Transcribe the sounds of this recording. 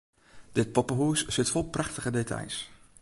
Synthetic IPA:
d̥ɪt̚pɔpəɦussɪtfɔlˠprɑχtəχədetɑ̰js

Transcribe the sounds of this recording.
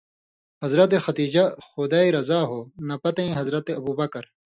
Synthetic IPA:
hɐzɾɐt̪̬exɐd̪iːd͡ʑɐxod̪aːiɾɐzaːɦoːnɐpɐt̪ɐ̃ĩɦɐzɾɐt̪eɐbuːbɐkɐɾ

